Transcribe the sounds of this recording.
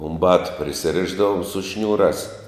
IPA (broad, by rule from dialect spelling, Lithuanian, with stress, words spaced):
ʊm ˈbɑːtʊ pʲrʲɪsʲɪˈrʲɪʒdɐʋʊm sʊ ˈʃʲnʲuːrɑːs